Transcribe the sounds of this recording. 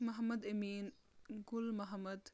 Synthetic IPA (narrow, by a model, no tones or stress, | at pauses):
mɐɦɐmɐd̪ɐmiːn | ɡʊlmɐɦɐmɐd̪